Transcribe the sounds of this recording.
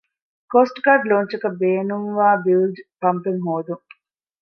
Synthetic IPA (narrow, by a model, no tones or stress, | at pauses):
koːsʈɡɐɖloːɲt͡ʃɐkɐbeːnuŋʋaːbilɖpɐmpeŋɦoːd̪uŋ